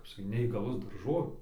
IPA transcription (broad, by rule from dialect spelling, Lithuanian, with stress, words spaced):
kɐp sɐˈkʲiːt nʲɛiːɡɐˈlˠʊs dɐrˈʒoːʋʲeː